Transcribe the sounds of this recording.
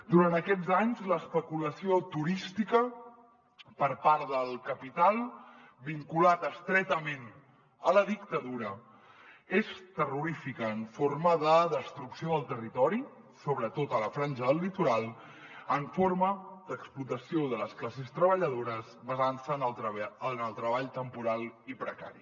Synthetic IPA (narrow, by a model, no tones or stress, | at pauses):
d̪uɾant̪əkɛd͡zaɲzləːspəkuləsiot̪uɾist̪ikə | pəɾpaɾðəlˠkəpit̪alˠ | biŋkulat̪əst̪ɾɛt̪əmen | ələðikt̪əðuɾə | est̪əruɾifikəːɱforməðəðəst̪ɾuksioðəlˠt̪ərit̪ɔɾi | soβɾət̪ot̪ələfɾanʲd͡ʒəðəlːit̪uɾalˠ | əɱforməd̪əksplut̪əsioðələsklasest̪ɾəβəʎəðoɾəzβəzansənlənəlˠt̪ɾəβ̞aʎt̪əmpuɾalˠipɾəka̰ɾi